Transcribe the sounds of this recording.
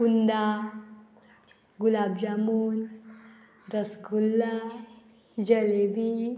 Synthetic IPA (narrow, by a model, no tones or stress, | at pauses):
und̪a | ɡulabd͡ʑamun | ɾəsɡulːa | d͡ʑəleʋi